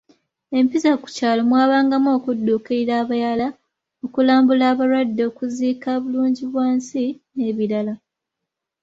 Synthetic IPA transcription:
e̞mpizaku̥caːlo̞mwaːβaːŋɡamo̞ːkudːuːkeiɾaːβajala | okulaːmbulaːβaɾwadːoːkuziːkaβuluːɲɟiβwaːnsine̞βilala

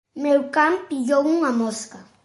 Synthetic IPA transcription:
mewkampijowuŋamoska

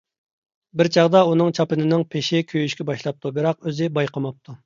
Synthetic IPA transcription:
bɪɾt͡ʃʰɑʁd̪ɑunɨŋt͡ʃʰɑpɨnɪnɪŋpʰeʃɪkʲʰøjyʃkʲɛbɑʃlˠɑp̚t̪ʰubɨɾɑqøzɪbɑjqʰɑmɑp̚t̪ʰu

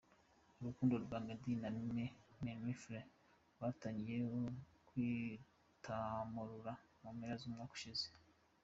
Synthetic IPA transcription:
uɾukuːndo̞ɾɡwamedinamimememifɾe | wataːɲɡijeokwi | tʰamuɾuɾa | mumeɾazumŋaːku̥ʃize

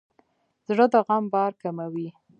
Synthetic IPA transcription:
z̥ɽəd̪əɣambɑɾkamawi

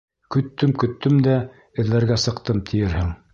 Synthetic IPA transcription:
kɵ̆t̪ːɵmkɵ̆t̪ːɵmd̪æ | ɘ̆ðlːæɾɡæsɤ̆qt̪ɤmt̪ʰɘ̆jɘɾhɘŋ

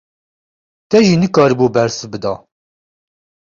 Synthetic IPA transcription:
t̪ɛʒinɨkɑːɾbuːbɛɾsɨbɨd̪ɑː

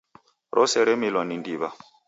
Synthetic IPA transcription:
ɾʔɔsɛɾɛmilwanindiːβa

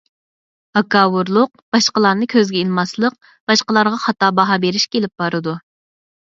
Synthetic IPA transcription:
ɑkɑwuɾlˠʊq̚b̥ɑʃqəlˠɑɾnɨkʲʰøzɡʲɛilˠmɑslˠəq̚ | b̥ɑʃqəlˠɑɾʁɑχɑt̪ɑːbɑɦɑbeɾɪʃkʲelɪp̚b̥ɑɾɨd̪u

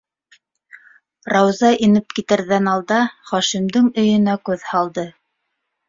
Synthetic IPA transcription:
rɑwzɑʔinɘp̚kit̪ɘ̆ɾðænɑlˠd̪ɑχɑʃimd̪ɘŋɵ̆jɵ̆nækʉðhɑlˠd̪ɤ

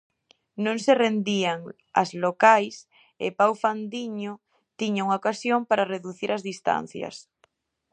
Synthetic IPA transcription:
nõŋserend̪iaŋ | a̰zlokajs | ḛpawfand̪iɲo | t̪iɲauŋaokasjompaɾareðuθiɾʔɐzðist̪a̰n̟θjɐ̰s

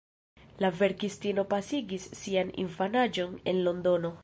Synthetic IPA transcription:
lave̞ɾkistino̞pasiɡisːianḭnfanad͡ʒo̞ne̞nlo̞ndo̞no̞

